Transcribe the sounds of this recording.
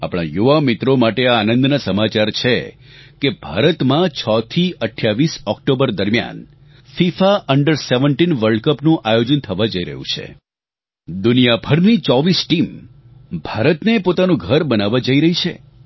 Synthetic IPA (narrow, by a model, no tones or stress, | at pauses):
a̰pɽ̃a̰juʋamɪt̪ɾomaʈeaːnə̃nd̪nasəmat͡ʃaɾt͡ʃʰe | kebʱa̰ɾət̪mãt͡ʃʰɔt̪ʰiəʈʰjaʋisɔkʈobəɾd̪əɾmja̰n | fifaʔəɳɖəɾseʋəɳʈinʋəɾɖkəpnũʔajod͡ʒənt̪ʰəʋad͡ʒəiɾə̰ɦṵ̃t͡ʃʰḛ | d̪unijabʱəɾnit͡ʃɔʋisʈim | bʱaɾət̪nepot̪anũɡʱəɾbənaʋad͡ʒəiɾəɦit͡ʃʰḛ